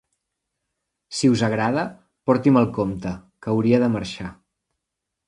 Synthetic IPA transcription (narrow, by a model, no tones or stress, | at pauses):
siuzəɣ̞ɾað̞ə | pɔɾt̪iməlˠkomt̪əkəwɾiəðəməɾʃa